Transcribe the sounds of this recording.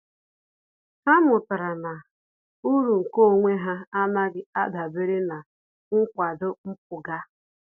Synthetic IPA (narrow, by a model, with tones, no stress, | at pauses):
ha˦mʊ˨ta˨ɾa˨na˨ | u˦ɾu˨ŋ̩˨ko˦˨ŋʷe˦ɦa˦a˦na˦ɡɪ˦a˦da˨be˦ɾɪ˦na˨ | ŋ̩˦kʷa˨dʊ˦m̩˦p̚ʊ˨ɡa˦